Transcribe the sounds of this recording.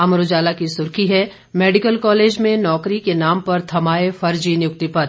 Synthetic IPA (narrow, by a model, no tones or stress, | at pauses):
ɐmɾʊd͡ʒaːlakisʊɾkʰiɦɛ | meːɖɪkəlkɔːleːd͡ʒmẽnɔːkɾikenaːmpɐɾt̪ʰɐmaːefɐɾd͡ʒinjʊk̚t̪ipɐɾ